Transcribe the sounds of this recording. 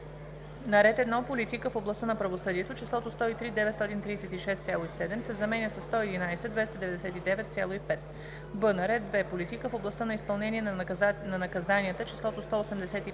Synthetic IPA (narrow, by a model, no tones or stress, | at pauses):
nɐɾɛt̪ɛd̪napolit̪ikəfoblˠɐst̪ənɐpɾɐvosɤd̪iɛt̪ot͡ʃislˠɔt̪ost̪ɔit̪ɾid̪ɛvɛt̪st̪ɔt̪int̪ɾiːsɛt̪iʃɛst̪sʲjalˠoisɛd̪ɛmsɛzɐmɛnʲəsɐsːt̪ɔɛd̪inajsɛd̪vɛst̪əd̪ɛvɛd̪ɛsɛt̪id̪ɛvɛt̪sʲjalˠoipɛt̪ | bɤnəɾɛd̪̚d̪vɛpolit̪ikəfoblˠɐst̪ənɐispɐlˠnɛniɛnɐnɐkɐzaniət̪ət͡ʃɛ̥slˠɔt̪ost̪ɔosɛmd̪ɛsɛt̪i